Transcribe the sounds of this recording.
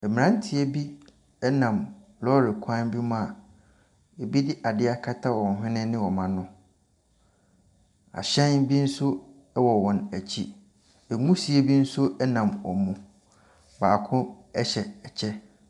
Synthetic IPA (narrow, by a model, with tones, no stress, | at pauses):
ɛ˨mĩ˨ã˦n˦tʰɪ˨e˦bi˦ | ɛ˦nã˨mlɔ˦ɾɪ˨kʷʰã˦nbi˦mã˦˨ | e˨bi˦dɪ˦ʔa˨dɪ˦a˦kʰa˦tʰa˦wɔ̃˨n˨ɦɪ̃˦nɪ̃˦nɪ̃˦wɔ˨mã˦nʊ̃˦ | a̰˨ɕɛ̃˦nbi˦n̩˦sʊ˦ | ɛ˦wɔ˨wɔ̃˨næ˨t͡ɕʰi˦ | ɛ˨ŋũ˦si˨˦e˦bi˦n̩˦sʊ˦ɛ˦nã˨mɔ̰˨mũ˨ | baː˨kʰʊ̃˦ | ɛ˦ɕɛ˨ɛ˨t͡ɕʰɛ˦